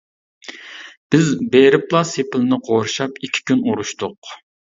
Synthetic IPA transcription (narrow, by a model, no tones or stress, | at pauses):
b̥ɪzbeɾɪplˠɑsepʰɪlnɪqʰoɾʃɑpikʲʰːi̥kʲynuɾuʃt̪ʊq